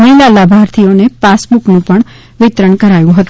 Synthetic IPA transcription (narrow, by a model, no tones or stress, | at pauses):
nəlalabʱaɾt̪ʰionepasbuknũpəɳ | ʋɪt̪ɾəɳkəɾajũɦət̪ũ